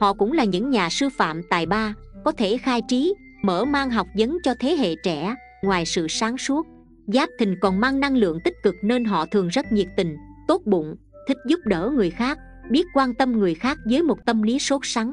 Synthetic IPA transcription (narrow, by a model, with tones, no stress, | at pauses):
hɔ̰˧˨kʊ̰˧˥ŋ͡mlaː˨˩ɲɨ̰˧˥ŋɲaː˨˩sɨ˧fa̰ː˧˨mt̪a̰ː˧˨jɓaː˧kɔ˨˦t̪ʰe˧˩xaː˧jt͡ɕi˨˦ | mə̰ː˧˩maː˧ŋɦa˨˩wk͡p̚zə˨˦nt͡ɕɔ˧t̪ʰe˨˦ɦḛ˧˨t͡ɕɛ̰˧˩˥ | ŋwaː˨˩jsɨ̰˧˨saː˨˦ŋsu˦˥ət̚ | zaː˦˥p̚t̪ʰï˨˩ŋ̟kɔ˨˩nmaː˧ŋna˧ŋlɨ̰˧˨əŋt̪ï˦˥k̟̚kɨ˨˩k̚ne˧nɦɔ̰˧˨t̪ʰɨ˨˩əŋzə˦˥t̚ɲi˨˩ək̚t̪ï˨˩ŋ̟t̪o˦˥t̚ɓʊ̰˧˨ŋ͡m | t̪ʰï˦˥k̟̚zʊ˦˥p̚ɗə̰ː˧˩ŋɨ˨˩əjxaː˦˥k̚ | ɓi˦˥ət̚kwaː˧nt̪ə˧mŋɨ˨˩əjxaː˦˥k̚zəː˨˦jmo˨˩t̚t̪ə˧mli˨˦so˦˥t̚sa˨˦ŋ